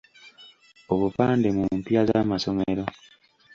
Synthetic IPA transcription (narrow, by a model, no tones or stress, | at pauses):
oβupaːnde̞mumpjazamaso̞meɾo